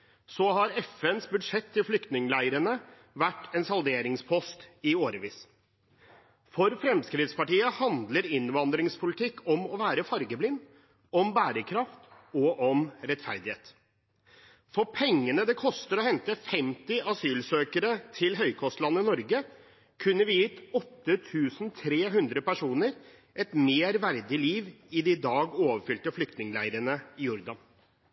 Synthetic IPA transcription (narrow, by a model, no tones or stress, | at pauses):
sɔɦɑɾɛfɛnsbʉd̪ʂɛt̪ʰːɪlflʏkt̪nɪŋlæɪəɾənə | ʋæʈːɛnsɑld̪eːɾɪŋspʰɔst̪ɪoːɾəʋiːs | fɔɾfɾɛmskɾɪt̪spɑʈiːəhɑnd̪ləɾɪnʋɑnd̪ɾɪŋspʰʊlɪt̪ʰɪkːɔmɔʋæːɾəfɑɾɡəblɪnː | ɔmbæːɾəkʰɾɑft̪ | ɔʔɔmɾɛt̪fæɾd̪ɪheːt̪ | fɔɾpʰɛŋːənəd̪ɛkʰɔst̪əɾɔhɛnt̪əfɛmt̪ɪʔɑsyːlsøːkəɾət̪ʰɪlɦœʏkʰɔst̪lɑnːɪnɔɾɡə | kʰʉnːəɾʋɪɪt̪ɔt̪ːət̪ʰʉːsn̩t̪ʰɾeːɦʉnd̪ɾəpæʂuːnəɾ | ʔɛt̪meːɾʋæɾd̪ɪliːʋɪd̪ɪd̪ɑːɡoːʋəɾfʏlt̪əflʏkt̪nɪŋlæɪɾəɳəɪjɔɾd̪ɑn